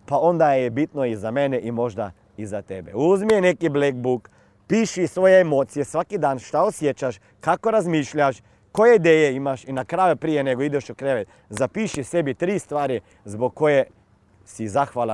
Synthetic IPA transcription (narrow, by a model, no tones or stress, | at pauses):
pao̞nd̪ajebit̪noizameneʔimo̞ʒd̪a̰ | izat̪ebḛuzmienekiblek̚buk | piːʃisʋo̞jeemoːt̪sijesʋakid̪aːnʃt̪aosjet͡ʃaʃ | kako̞ɾazmiːʃʎaʃ | kojeid̪eːjeimaʃinakɾaːjupɾijeneɡoid̪eʃukɾeʋet̪ | zapiːʃisebit̪ɾiːst̪ʋaːɾi | zboɡkːoje | sizaxʋala